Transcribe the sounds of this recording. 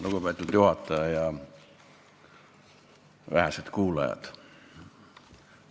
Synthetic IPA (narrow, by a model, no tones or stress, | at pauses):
luɡupæjt̪ːˑult̪juhɑt̪ːˑɑɑjɑ | ʋæhæset̪kuːlɑ̰jɑ̰t̪